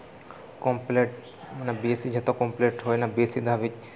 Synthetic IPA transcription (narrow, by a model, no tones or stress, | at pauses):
kõmpleʈ̚ | nabiesid͡ʒʱet̪õkɔ̃mpleːʈɦoːjnabiesid̪aʋɪt͡ʃ